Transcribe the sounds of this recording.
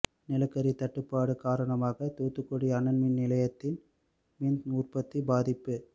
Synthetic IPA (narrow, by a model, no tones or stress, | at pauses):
nɪlɐkːɐɾit̪ɐʈːɯpːaːɽɯkaːɾɐɳɐmaːɣɐt̪oːt̪ːɯkːɔɽiɐnɐnmɪnnɪlɐjɐt̪ːɪn | mind̪uːrpɐt̪ːibaːðɪpːɯ